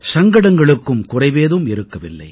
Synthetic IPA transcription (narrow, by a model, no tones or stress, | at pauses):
sɐŋɡɐɽɐŋɡɐɭɯkːɯmkʊrɐɪʋeːðɯmɪɾɯkːɐʋɪlːɐ̰ɪ